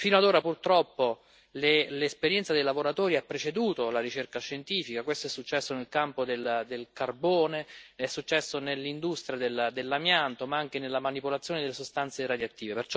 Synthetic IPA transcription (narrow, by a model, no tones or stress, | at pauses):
fiːnoad̪oːɾapurt̪ɾɔpːo | lelespeɾjɛnt̪sad̪ejlavoɾat̪oːɾiapːɾet͡ʃed̪uːt̪olaɾit͡ʃerkaʃːent̪iːfikakwest̪oɛsːut͡ʃːɛsːonelkampod̪eld̪elkarboːneɛsːut͡ʃːɛsːonelːind̪ust̪ɾjad̪eld̪elːamjant̪omaaŋk̟enelːamanipolat̪sjoːned̪elːesost̪ant̪seɾad̪jat̪ːiːvepert͡ʃɔ